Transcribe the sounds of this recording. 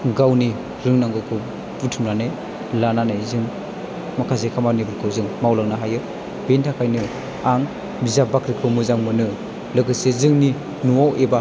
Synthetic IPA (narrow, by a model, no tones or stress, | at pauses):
ɡawni | ɾɯŋnaŋɡɯkʰɯ | butʰɯmɾanaj | lananajzɯŋ | makʰazekʰamanibɯkʰɯzɯŋmawlaŋnaɦajɯ | bentʰakʰajnɯ | aŋ | bizabakɾikʰɯwmɯzaŋmɯnɯ | lɯɡɯsezɯŋni | nuwawʔeba